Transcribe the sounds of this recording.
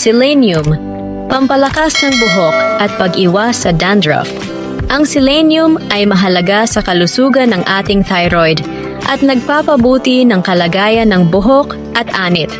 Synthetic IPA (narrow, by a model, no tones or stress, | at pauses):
sɪlɛnjʊm | pɐmpɐlɐkasnɐŋbʊɦok̚ʔɐt̪̚pɐɡʔɪwasɐd̪and̪ɹɐ̰f | ʔɐŋsɪlɛnjʊmʔɐjmɐɦɐlɐɡasɐkɐlʊsuːɡɐnɐŋʔaːt̪ɪŋt̪ajɾojd̪ | ʔɐt̪̚nɐɡ̚papɐbuːt̪ɪnɐŋkɐlɐɡaːjɐnɐŋbʊɦok | ʔɐt̪ʔaːnɪt̪̚